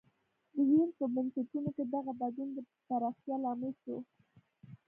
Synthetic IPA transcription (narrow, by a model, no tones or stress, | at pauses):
d̪əjinpəbansɪtunoked̪aɣabad̪und̪ə | t̪aɾaxt̪jɑlɑmɪlʃo